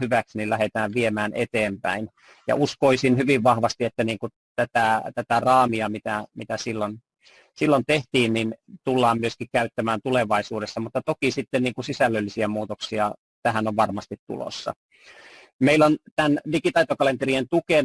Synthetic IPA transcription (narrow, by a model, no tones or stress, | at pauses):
hyʋæksnilæhet̪æːʋʋiemæːnḛt̪eːmpæin | jɑ̰ʔuskoisinhyʋiʋʋɑhʋɑst̪iet̪ːæniːŋku | t̪æt̪æt̪æt̪ærɑːmiɑmit̪æmit̪æsilːon | silːont̪eht̪iːnnint̪ulːɑːmmyøskikkæyt̪ːæmæːnt̪uleʋɑisuːdesːɑmut̪ːɑt̪okisit̪ːenniːŋkusisælːølːisiæmuːt̪oksiɑ | t̪æɦænoʋʋɑrmɑst̪it̪t̪ṵlo̰sːɑ̰ | meilont̪ændikit̪ɑit̪okɑlent̪erient̪uken